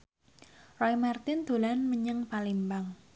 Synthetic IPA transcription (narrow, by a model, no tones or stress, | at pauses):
rɔimart̪ɪnd̪̥o̤lanməɲəŋpalimbaŋ